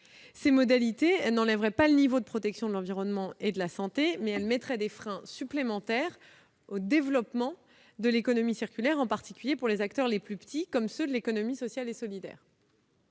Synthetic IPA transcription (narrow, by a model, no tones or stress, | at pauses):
semɔd̪alit̪eɛlnɑ̃lɛvʁɛpalənivod̪əpχɔt̪ɛksjɔ̃d̪əlɑ̃viʁɔnmɑ̃ed̪əlasɑ̃t̪emɛɛlmɛt̪χɛd̪efχɛ̃syplemɑ̃t̪ɛːʁ | od̪evlɔpmɑ̃ | d̪əlekɔnɔmisiʁkʲylɛʁɑ̃paʁt̪i̥kʲyljepuʁlezak̚t̪œʁleplypə̥t̪ikɔmsød̪əlekɔnɔmisɔsjalesɔlid̪ɛ̰ːʁ